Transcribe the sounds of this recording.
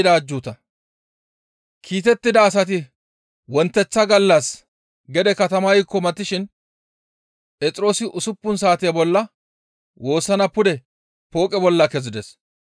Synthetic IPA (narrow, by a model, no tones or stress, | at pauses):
d̪aːd͡ʒːuːt̪ɐ | kʰiːt̪ɛt̪ːɪd̪ɐːs̬ɐt̪̬ɪ | wɔnt̪ːɛt͡sːɐɡɐlːɐs | ɡɛd̪ɛkɐt̪ɐmɐjɪkːɔmɐt̪ːɪʃɪn | pʼɛt͡sʼɪɾo̞ːsɪʔʊsʊpːʊns̬aːt̪ɪjɐbɔlːɐ | wo̞ːsːɐnɐpʊd̪ɛ | po̞ːkʼɛbɔlːɐkɛzɪd̪ɛs